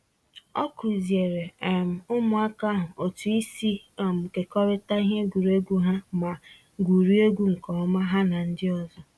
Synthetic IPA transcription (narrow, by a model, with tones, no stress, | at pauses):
ɔ̰˦ku˨ze˨ɾe˨e˨m̩˨ʊ˦mʊ˨a˦ka˦ɦʊ˨o˨tu˨i˦si˦a˨m̩˨ke˨kɔ˦ɾɪ˦ta˦i˦ɦe˦ɡu˨ɾe˦ɡʷu˦ɦa˦ma˨ | ɡʷu˨ɾi˦e˦ɡʷu˦ŋ̩˨kɔ˨˦ma˦ɦa˦na˨n̩˦dɪ˦ɔ˨zɔ˨